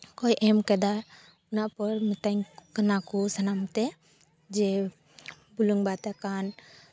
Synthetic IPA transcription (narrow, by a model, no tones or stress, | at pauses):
kɔjʔɛmkɛd̪a | unapɔɾmit̪aŋkənakusɐnamt̪ɛ | d͡ʒɛ | buluŋbat̪akan